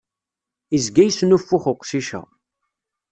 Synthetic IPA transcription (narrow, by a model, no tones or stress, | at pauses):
izɡæjsnufːʊχʊqːsiʃæ̰